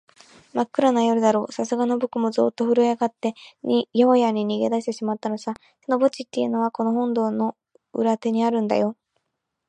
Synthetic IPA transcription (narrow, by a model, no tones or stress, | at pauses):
makːɯ̟ɾanajoɾɯ̟d̪aɾo̞̰ːsasɨɡano̞bokɯ̟mo̞zɨ̰ːt̪ːoɸɯ̟ɾɯ̟jaɡat̪ːe̞ɲʲijoojaɲ̟iɲ̟iɡed̪aɕ̬it̪e̞ɕimat̪ːanosa | sono̞bo̞t͡ɕit̪ːe̞jɯ̟no̞βako̞no̞ɦõ̞nd̪o̞ːno̞ | ɯɾat̪e̞ɲ̟iaɾɯ̟̃nd̪a̰jo̞